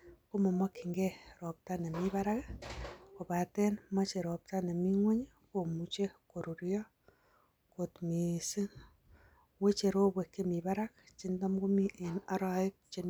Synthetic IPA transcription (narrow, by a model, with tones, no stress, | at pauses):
ko˦mɔ˨mɔ˦ki˨ŋɡeɾɔ˨p̚ta˦ne˨miβa˦ɾak | ko˨pa˨tɛ˦nma˦t͡ʃe˨ɾɔ˨p̚ta˦ne˨mi˦ŋwe˦ɲ | ko˨mu˨t͡ʃe˦ko˨ɾu˨ɾjɔ˦ | ko˨tmi˨si˦n | we˦t͡ʃe˨ɾo˦bwe˨kːe˦mi˨βa˦ɾa˦k̚t͡ʃi˦ndɔ˦mɡo˦miʔena˦ɾa˨ɪ˦k̚t͡ʃe˨n